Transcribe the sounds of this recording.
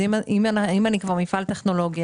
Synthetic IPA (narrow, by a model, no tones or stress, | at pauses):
imimaaimanikvaʁmifalt̪eχno̞lo̞ɡja